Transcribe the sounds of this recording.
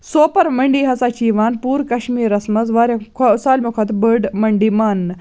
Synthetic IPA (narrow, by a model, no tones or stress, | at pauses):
soːpɐɾməɳɖiɦɐt͡sat͡ɕiʋaːnpuːɾkɐɕmiːɾɐsmɐt͡sʋaɾɐkʰsaːlmukʰɐt̪bəɖmɐɳɖiman